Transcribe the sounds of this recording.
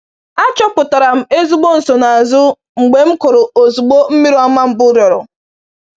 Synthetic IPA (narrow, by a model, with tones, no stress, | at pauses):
a˦t͡ʃɔ˦pʊ˨ta˨ɾa˨m̩˦e˦zu˦ɡ͡bo˦n̩˨so˨na˨a˨zʊ˦ | ŋ͡m̩˨ɡ͡be˨m̩˦kʊ˨ɾʊ˨o˨zu˨ɡ͡bo˦m̩˦mi˦ɾu˦a˦ma˦m̩˦bʊ˦ɾjɔ˨ɾʊ˨